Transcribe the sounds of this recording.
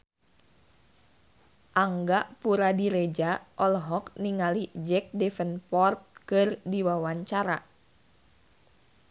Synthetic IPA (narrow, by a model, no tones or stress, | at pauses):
ʔaŋɡaʔpuɾadiɾed͡ʒaʔɔlɦɔkniŋalid͡ʒɛk̚dɛfənpɔrt̪̚kɨrdiwawaɲt͡ʃaɾa